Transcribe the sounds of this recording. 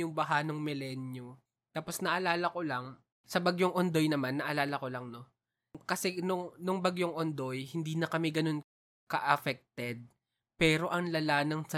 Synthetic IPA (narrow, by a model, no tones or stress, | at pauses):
ʊŋbɐɦanoŋmɪlɛnjo | t̪aːpo̞snɐʔɐlaːlɐko̞lɐŋ | sɐbɐɡjoŋʔond̪o̞jnɐmanːɐʔɐlaːlɐko̞lɐŋno̞ | kɐsɛnʊŋnʊŋbɐɡjoŋʔond̪o̞jhɪnd̪iːnɐkɐmɛɡɐno̞n | kɐʔɐfɛk̚t̪ɛd̪̚ | pɛːɾo̞ʔɐŋlɐlaːnɐŋsɐ